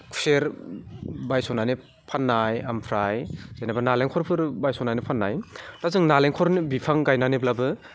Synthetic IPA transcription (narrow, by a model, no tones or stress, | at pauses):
kʰu̥seɾ | bajsɔnajni | pʰanːajampʰɾajz̥ajnabanaleŋkʰɔɾpʰɯɾbajsɔnajnipʰanːa̰jtazɯŋnaleŋkʰɔɾnibipʰaŋɡajnaniblabɯ